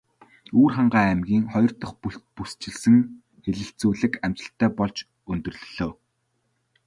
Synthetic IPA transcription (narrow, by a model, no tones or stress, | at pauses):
uːrχaɴɢaːæmɡʲiːŋχɔjɞ̆r̥t̪ɞ̆χpuɬt̪̚pust͡ɕɪ̆ɮsɘ̆ŋ | xeɮɘ̆ɬt͡suːɮɘ̆kæm̥t͡ɕə̆ɬt̪ʰːæːpɔɮt͡ɕ | ɵnt̪ɵ̆rɮ̆ɮoː